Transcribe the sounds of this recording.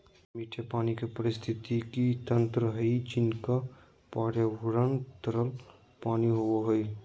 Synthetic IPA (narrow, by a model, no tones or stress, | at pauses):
miːʈʰepaːnikepəɾɪst̪ʰɪt̪ikit̪ə̃nt̪ɾəɦɐit͡ʃinka | paːɽjabʊɾənt̪əɾəl | paːniɦoɦəj